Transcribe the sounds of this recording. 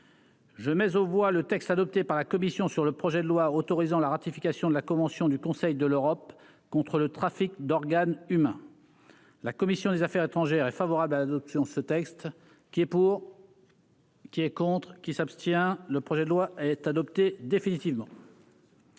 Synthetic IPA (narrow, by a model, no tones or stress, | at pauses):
ʒəmɛzovwalət̪ɛkst̪ad̪ɔp̚t̪epaʁlakɔmisjɔ̃syʁləpχɔʒɛd̪əlwaot̪ɔʁizɑ̃laʁat̪ifikʲasjɔ̃d̪əlakɔ̃vɑ̃sjɔ̃d̪ykɔ̃sɛjd̪əløʁɔp̚ | kɔ̃t̪χələt̪χafikd̪ɔʁɡanymɛ̃ | lakɔmisjɔ̃d̪ezafɛʁet̪χɑ̃ʒɛʁɛfavɔʁablalad̪ɔpsjɔ̃əsət̪ɛkst̪ | kʲiɛpuʁ | kʲiɛkɔ̃t̪χkʲisapst̪jɛ̃ləpχɔʒɛd̪əlwaɛt̪ad̪ɔpt̪ed̪efinit̪ivmɑ̃